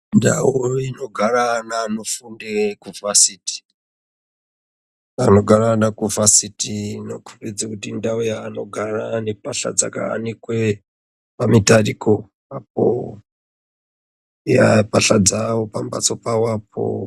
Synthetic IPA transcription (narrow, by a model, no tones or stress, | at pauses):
nda̰wuino̞ɡʱaranaːno̞fundekuvasiti̥ | ano̞ɡʱaranakuvʱasitinokʰurid͡zakutindaujaːno̞ɡʱaranepaɬa̰d͡za̰ka̰ːnikwe | pamitarikʰo | ap̚o̰ | japaɬad͡zawopamba̰t͡so̞pawap̚ʰo̰